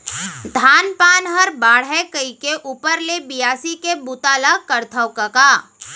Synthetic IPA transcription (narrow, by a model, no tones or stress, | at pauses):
d̪ʱaːnpaːnɦəɾbaːɽ̤ɛkəikeʔuːpəɾlebɪjaːsikebut̪aːlakəɾt̪ʰəwkəkaː